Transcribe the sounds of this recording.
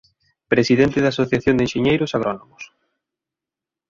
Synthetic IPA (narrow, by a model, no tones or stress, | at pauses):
pɾesiðent̪ɪðaːsoθjaθjõnd̪enʃeɲejɾʊsaɣ̞ɾonomʊs